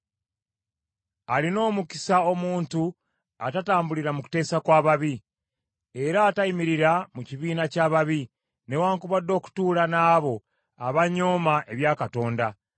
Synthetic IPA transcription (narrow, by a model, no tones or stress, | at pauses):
alino̞ːmuki̥sao̞muːntu | a̰tataːmbuliɾamuku̥te̞ːsakwaːβaβi | e̞ɾaːtaimiɾiɾamuciβiːnacaːβaβi | ne̞waːŋkuβad̪ːo̞ːku̥tuːlanaːβo̞ | aβaɲo̞ːmaʔe̞βjaːkato̞ːnda